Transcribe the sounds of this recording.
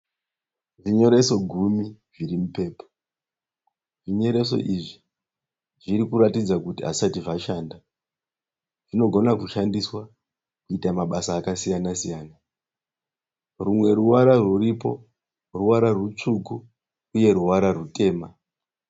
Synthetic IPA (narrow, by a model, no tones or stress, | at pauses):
ʐiɲo̞ɾe̞so̞ɡʱumiʐiɾimupe̞ːpo̥ | ʐiɲo̞ɾe̞so̞̰ʔiʐi | ʐiɾikuɾatid͡zakutia̰satiʐaʃanda | ʐino̞ɡʱo̞nakuʃandiswa | kuitamaɓasaːkasijanasijaːna | rumwe̞ɾuwaɾaruripo̞̰ | ruwaɾarut͡ʂukuː | je̞ɾuwaɾarute̞ːma